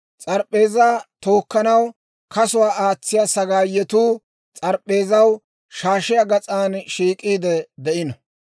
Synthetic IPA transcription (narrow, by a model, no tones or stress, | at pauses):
t͡sʼɐɾpʼːe̞ːzaːt̪oːkːɐnɐw | kɐsʊwaːʔaːt͡sːɪjasɐɡaːjɛt̪uː | t͡sʼɐɾpʼːe̞ːzɐw | ʃaːʃɪjaɡɐt͡sʼaːnʃiːkʼiːd̪ɛd̪ɛʔɪnɐ